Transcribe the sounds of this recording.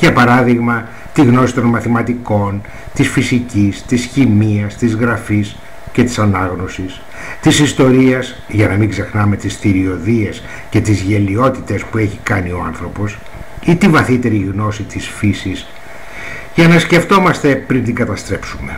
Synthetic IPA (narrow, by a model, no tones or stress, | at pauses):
ʝɐpɐɾɐðiɣmɐ | t̪iɣno̞sit̪o̞nmɐθimɐt̪iko̞n | t̪isfisicist̪isçimiɐst̪izɣɾɐfis | ce̞t̪i̥sɐnɐɣno̞sis | t̪isist̪o̞ɾiɐsz | ʝɐnɐmiɡzexnɐme̞t̪isθiɾio̞ðie̞s | ce̞t̪izʝe̞lio̞t̪it̪e̞spue̞çikɐnio̞ɐnθɾo̞po̞s | it̪ivɐθit̪e̞ɾiɣno̞sit̪isfisis | ʝɐnɐsce̞ft̪o̞mɐst̪e̞pɾint̪iŋɡɐt̪ɐst̪ɾe̞psume̞